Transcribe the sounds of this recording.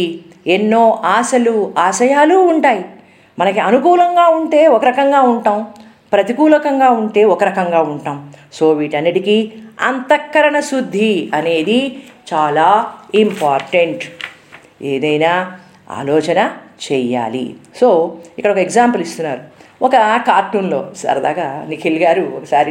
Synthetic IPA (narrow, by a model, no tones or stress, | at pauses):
enːo̞ːʔaːʃɐluaːʃɐjaːluːɳʈaːji | mɐnɐkiɐnukuːlɐŋɡaːuɳʈe̞ːɔkɐɾɐkɐŋɡaːuɳʈaːm | pɾɐt̪ikuːlɐkɐŋɡaːuɳʈe̞ːɔkɐɾɐkɐŋɡaːuɳʈaːmso̞ːʋiːʈɐnːiʈikiɐ̰nt̪ɐkːɐɾɐɳɐsud̪ʱːiɐne̞ːd̪it͡ʃaːlaːimpaːɾʈɐɳʈ | eːd̪ɐjnaː | a̰ːlɔːt͡ʃɐnɐt͡ʃɛːja̰ːlḭso̞ːikːɐɽɐɔkɐeɡzaːmpɐlist̪unːaːɾuɔkɐkaːɾʈuːnlo̞ːsɐ̰ɾd̪a̰ːkɐnikʰilɡaːɾuɔkɐsaːɾi